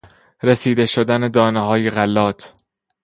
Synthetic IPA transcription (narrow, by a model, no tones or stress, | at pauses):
ɾesiːd̪e̞ʃod̪æne̞d̪ɒːneɦɒːjeɣælːɒːt̪ʰ